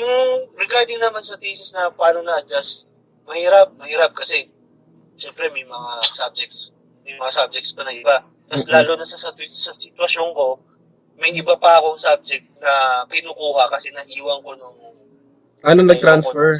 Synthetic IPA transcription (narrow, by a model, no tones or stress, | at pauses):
jʊŋɾɛɡaɹd̪ɪŋnɐmansɐt̪isɪsnɐpaːnonɐd͡ʒɐs | mɐhiːɾɐp̚mɐhiːɾɐp̚kɐsɛ | ʃɛmpɾɛmɐjmɐŋasab̚d͡ʒɛk̪̚s | mɐjmɐŋasab̚d͡ʒɛkt̪spɐnɐŋʔɪba | t̪ɐslaːlonɐsɐsɐt̪wsɐsɪt̪wɐʃoŋko̞ | mɐjʔɪbapɐɐkoɐŋsab̚d͡ʒɛk̚t̪̚nɐkɪnuːkuːhɐkɐsɛnɐʔiːwɐŋko̞noŋ | ʔɐnonɐɡ̚t̪ɾansfɛɹ